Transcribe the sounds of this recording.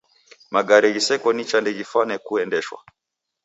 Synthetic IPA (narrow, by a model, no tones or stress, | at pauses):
maɡaɾɛɡisɛkɔnit͡ʃandɛɡifanɛkuɛndɛʃwa̰